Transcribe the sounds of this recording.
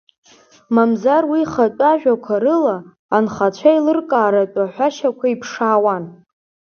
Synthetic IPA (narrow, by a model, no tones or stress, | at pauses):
mamzarwiχatʷʼaʒᶣakʷʰaɾɨlaː | nχat͡ɕʷʰailɨrkʼaːɾatʼaħʷaʃakʷʰaipʰʂaːwan